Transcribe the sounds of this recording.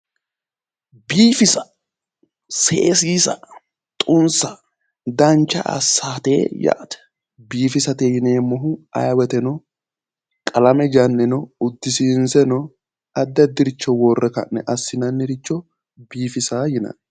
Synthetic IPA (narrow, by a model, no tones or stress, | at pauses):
biːfɪsɐ̥ | sḛːsiːsɐ | t̪ʼʊnsɐ | d̪ɐnt͡ʃːɐ̰ʔɐ̰sːaːt̪ḛːjɐ̰ʔt̪ɛ̥ | biːfɪsɐt̪ejɪneːmɔɦʊɐ̰jɐwɛt̪ɛnɔ | kʼɐlɐmɛd͡ʒɐnːɛnɔʊd̪ːɪsinsɛnɔ | ɐd̪ːɐd̪ɪɾɪt͡ʃːɔwɔrːɛkɐnːɛ̰ʔɐsːɪnɐnːɪɾɪt͡ʃːɔ | biːfɪsaːjɪnɐ̰n